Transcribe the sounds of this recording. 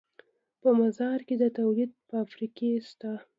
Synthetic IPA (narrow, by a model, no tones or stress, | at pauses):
pəmazɑɾked̪ət̪awlid̪̚pəafɾikest̪a